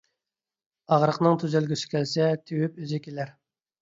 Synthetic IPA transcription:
ɑʁɾəqnɨŋt̪ʰyzælɡʲysɪ̥kʲʰɛlsɛt̪ʰewypyzɪkʲelæɾ

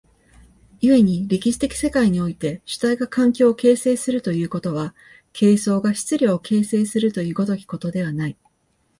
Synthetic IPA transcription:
jie̞ɲ̟iɾʲikʲiɕi̥t̪e̞kʲi̥se̞kaiɲ̟io̞it̪e̞ɕɨ̥t̪aiɡakʰãŋkʲo̞ːke̞ːse̞ːsɨɾɯ̟t̪o̞jɯ̟ːko̞t̪o̞β̞a | kʰe̞ːso̞ːɡaɕi̥t͡sɨɾʲoːkʰe̞ːse̞ːsɨɾɯ̟t̪o̞jɯ̟ːɡo̞t̪o̞kʲi̥ko̞t̪o̞d̪e̞βanai

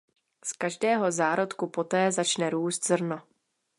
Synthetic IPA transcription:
skaʒdɛːɦo̞zaːɾo̞t̪kupo̞t̪ɛːzat͡ʃnɛɾuːst̪zr̩no̞

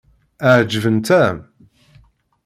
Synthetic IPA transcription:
əʕd͡ʒəvənt̪æm

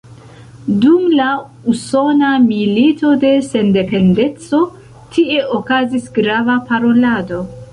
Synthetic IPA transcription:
dumla | uso̞namilito̞de̞se̞nde̞pe̞nde̞t͡so̞ | tʰie̞ʔokazisɡɾavapaɾo̞lado̞

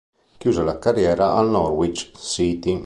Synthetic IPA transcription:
kjuːzalakarjɛːɾaʔalnɔɾwit͡ʃsit̪i

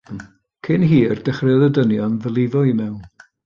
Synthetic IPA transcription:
kʰɪnɦiːərd̥ɛχrɛðədənjɔnðəlˠɪvɔimɛwn

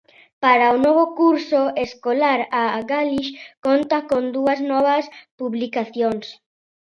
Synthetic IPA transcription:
paɾaonoβokuɾsoeskolaɾaɣaliʃkont̪akond̪uɐznɔβɐspuβlikaθjoŋs

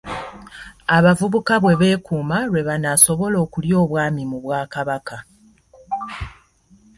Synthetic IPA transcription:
aβavuβukaβwe̞βe̞ːkuːmawe̞βanaso̞βo̞lo̞ːkuljo̞ːβwaːmimuβwaːkaβaka

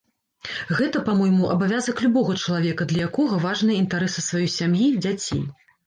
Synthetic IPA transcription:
ɣɛt̪ɐpamɔjmuʔɐbavʲazɐklʲubɔɣɐt͡ʂɐlˠavʲɛkɐd̪lʲɐjakɔɣɐvaʐnɨjɐint̪aɾɛsɨsvajɔjsʲamjid͡zʲat͡sʲḛj

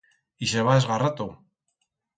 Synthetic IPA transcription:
iʃeβaezɣarat̪u

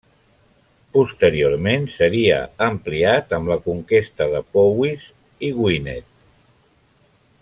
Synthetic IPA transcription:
pust̪əɾioɾmensəɾiə̰əmpliat̪əmləkuŋkest̪əðəpowiz | iɣwinɛt̪̚

